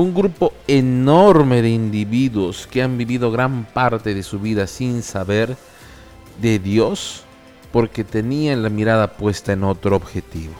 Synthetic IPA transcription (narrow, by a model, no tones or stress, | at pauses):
uŋɡɾupo̞e̞no̞ɾme̞ðe̞ind̪iβiðwo̞skeambiβiðo̞ɣɾampaɾt̪e̞ðe̞suβiðasinsaβe̞ɾ | ðe̞ðjo̞s | po̞ɾke̞t̪e̞nianlamiɾaðapwe̞st̪aeno̞t̪ɾooːbxe̞t̪iβo